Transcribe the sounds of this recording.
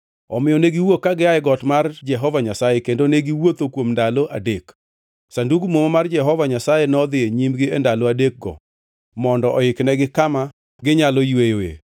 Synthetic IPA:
ɔmɪjɔneɡiwokːaɡɪaɛɡɔtmard͡ʒɛɦɔvaɲasajekendoneɡiwot̪okwomndaloʔa̰dek | sanduɡumomomard͡ʒɛɦɔvaɲasajenɔd̪ɪeɲimɡɪendaloadek̚ɡɔ̰ | mɔndɔʔɔɪknɛɡɪkama | ɡɪɲalɔjwejoḛ

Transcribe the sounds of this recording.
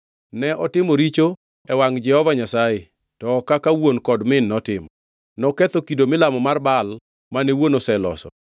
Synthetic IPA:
nɛʔɔtɪmoɾit͡ʃo | ɛwaŋd͡ʒɛhɔvaɲasaɪ | tɔkakawonkɔdmɪnːɔtɪmɔ | nɔkɛt̪okidomɪlamɔmarbal | manewonosɛlɔ̰sɔ̰

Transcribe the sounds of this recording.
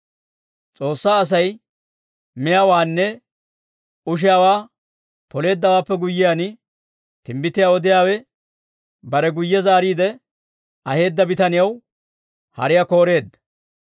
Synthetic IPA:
t͡sʼo̞ːsːaːɐs̬ɐj | mɪjawaːnːɛ | ʊʃ̬ɪjaːwaː | pɔle̞ːd̪ːɐwaːpːɛɡʊjːɪjaːnɪ | t̪ɪmbɪt̪ːɪjawɔd̪ɪjaːwɛ | bɐɾɛɡʊjːɛzaːɾiːd̪ɛ | ɐhe̞ːd̪ːɐbɪt̪ɐnɪjɐw | hɐ̰ɾɪjako̞ːɾe̞ːd̪ːɐ̥

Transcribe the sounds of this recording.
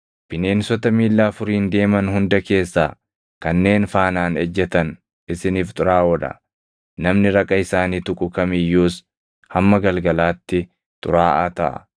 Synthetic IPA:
b̥ɪne̞ːnsɔt̪ɐmiːlːaːfʊɾiːnd̪e̞ːmɐnhʊnd̪ɐke̞ːsːa̰ː | kɐnːe̞ːnfaːnaːnɛd͡ʒːɛt̪ɐn | ʔɪsɪniːft̪ʼʊɾaːwɔᶑɐ̰ | nɐmnɪɾɐkʼːɐɪsaːniːt̪ʊkʼʊkɐmɪjːuːs | hɐmːɐɡɐlɡɐlaːt̪ːɪ | t̪ʼʊ̰ɾaːʔat̪ɐʔɐ̰

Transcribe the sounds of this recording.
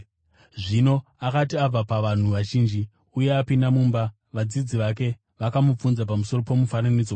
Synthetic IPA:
ʐino̞akatiab͡vapaʋan̤uʋaʒiːnd͡ʒi | uje̞apindamuːmba | ʋad͡zid͡ziʋak̬e̞ | ʋakamup͡funzap̬amuso̞ro̞po̞mufananid͡zo

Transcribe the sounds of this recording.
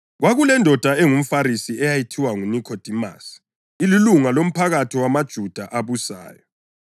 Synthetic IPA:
ɣwaɣulɛndʱɔd̥ʱaeŋum̩faɾisiɛjajitʰiwaŋunikʰod̥ʱima̰s | ililuŋalom̩pʰaɣatʰiwamad̥ʒ̥ʱud̥ʱaʔaβusa̰ːjɔ

